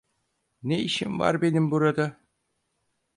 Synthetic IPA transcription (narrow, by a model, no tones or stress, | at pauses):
neiʃimva̰ɾbe̞nimbuɾad̪a